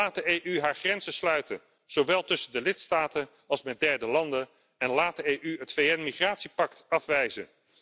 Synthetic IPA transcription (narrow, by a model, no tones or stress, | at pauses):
aːt̚dəejʔyɦaːɹχrɛnzəslœɥtən | z̥owʋɛlˠtɵsəndəlɪtstaːtən | ɑlˠsmɛt̚dɛɹdəlɑndən | ɛnlaːt̚dəejʔyɦətfejɛnmiχraːtsipɑktɑfʋɛjzə̰n